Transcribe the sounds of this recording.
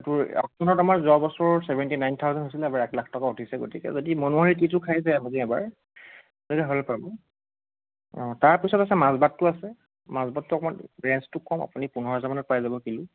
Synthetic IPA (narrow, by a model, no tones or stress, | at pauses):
tʊɹa̰kɔnɔtamaɹzɔbɔsɔɹsɛbɛntinajnt̪ʰawzɔntɦosilɛɛbaɹɛklakʰtɔkautʰisɛɡo̰tikɛ̰zodimɔnuaɹititʊkʰajzajamaziɛba̰ɹ | nɛkɛɦɔlɛpabɔ | ɔ̃taɹpisɔtasɛmãzbatːʊasɛ | mazbatːuakɔmanɹɛnstʊkɔma̰punipunɔɹɔzamanɔt̚pajzabɔkilʊ̃